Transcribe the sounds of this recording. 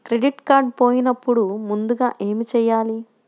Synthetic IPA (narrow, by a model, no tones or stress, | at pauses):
kɾe̞ɖiʈkaːɾɖpoːjinɐpːuɽumund̪uɡaːʔe̞ːmit͡ʃɛːjːaːli